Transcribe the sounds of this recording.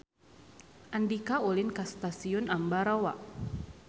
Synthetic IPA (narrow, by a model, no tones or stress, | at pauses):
ʔandikaulɪnkast̪asiʊnambaɾawa̰ʔ